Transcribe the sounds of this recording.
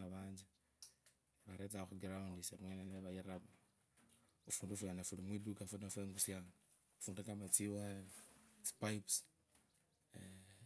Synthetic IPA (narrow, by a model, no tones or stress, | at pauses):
aβaːɲd͡ʒi | βaɾetaoxuɡiɾaundisemweneneβajiɾaβa | ufuːndufujanafulimwidukafunafeŋɡusjaŋa | ufuːndukamat͡siwa | t͡si̥paips